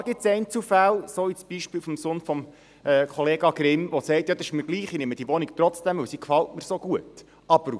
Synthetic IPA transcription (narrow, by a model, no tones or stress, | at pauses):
ɡɪt̪sɛɪnt͡sufælsoisb̥iʃpiːfɔmsoːnfɔm | ɛːkχɔleːɡɑɡ̥ɾɪmʋosɛɪtjɑd̪ɑɪʃməɾɡliːχinɪmːəd̥iʋɔnikt̪ɾɔt͡sd̥ɛmʉwsikfɑltməɾsoɡ̥uət | ɑb̥əɾu